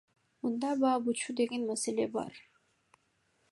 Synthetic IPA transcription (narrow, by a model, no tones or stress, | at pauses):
mund̪ɑbɑːbut͡ʃʰud̪e̞ɡe̞nmaselʲe̞bɑ̰ɾ